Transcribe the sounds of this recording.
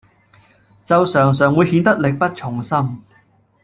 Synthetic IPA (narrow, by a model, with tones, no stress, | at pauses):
t͡sɐ˨˧wsœː˨˩ŋs̬œː˨˩ŋwuː˨˧jhiː˨˧nt̪ɐ˥k̚lɪ˨k̚pɐ˥t̚t͡ʃʰʊ˨˩ŋsɐ˥m